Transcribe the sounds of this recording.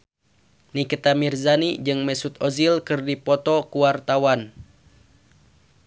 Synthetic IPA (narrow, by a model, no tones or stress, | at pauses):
nikit̪amirzanid͡ʒɨŋmɛsut̪ɔzilkɨrdipɔt̪ɔkuwart̪awan